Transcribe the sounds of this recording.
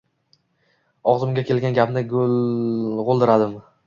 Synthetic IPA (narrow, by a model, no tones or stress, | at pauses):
ɒʁzɪmɡʲakʲe̞lɡʲanɡʲapnɪɡolʁolˠd̪ɪɾad̪ɪm